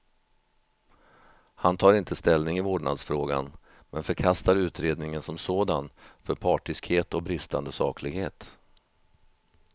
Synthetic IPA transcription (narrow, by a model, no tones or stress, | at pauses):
hant̪ʰɑːɾɪnt̪ʰəst̪ɛlnɪŋɪoːɖɳa̰d̪sfɾoːɡa̰n | mɛnfœɾkʰast̪aɾʉ̟ːt̪ɾeːd̪nɪŋənsɔmsoːd̪anfœɾpʰɑːʈɪskheːt̪ɔk̚bɾɪst̪and̪əsɑ̰ːkʰlɪɡheːt̪